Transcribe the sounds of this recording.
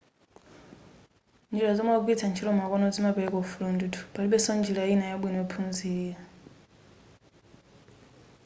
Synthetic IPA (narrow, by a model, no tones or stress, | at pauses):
nd͡ʒiɾazɔmaɡitʰant͡ʃʰiɾɔmakɔnɔd͡zimapɛlɛkɔfulundutʰu̥paliɓɛsɔnd͡ʒilainajaɓwinɛɛpʰunziːja